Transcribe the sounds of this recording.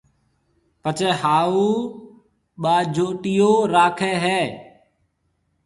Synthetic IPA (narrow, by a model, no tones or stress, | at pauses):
pət͡ʃeːhaːuː | ɓaːd͡ʒʱoːʈiːjoːɾaːkʰeːɦɛː